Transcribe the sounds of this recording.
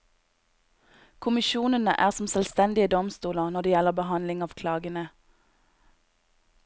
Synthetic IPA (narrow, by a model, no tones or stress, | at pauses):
kʰʊmɪʃuːnənə̰ʔæːʁsɔm̩sɛlst̪ɛnd̪ɪəd̪ɔmst̪uːləʁnɔʁd̪eːjɛləʁbəhɑnlɪŋɑːʋkʰlɑːɡənə